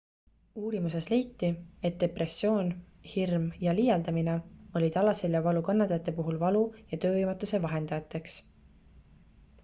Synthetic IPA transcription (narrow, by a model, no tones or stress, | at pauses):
uːɾimuse̞sle̞jt̪ːie̞t̪̚d̪e̞pre̞sːjo̞ːn | hirmjɑliːjɑld̪ɑmine̞o̞lʲit̪ɑlɑseljɑvɑlukɑnːɑt̪ːˑɑjɑt̪ːˑe̞puɦulvɑlujɑt̪ø̞ːvɤjmɑt̪ːˑuse̞vɑɦe̞nd̪̥ɑjɑt̪ːˑe̞ks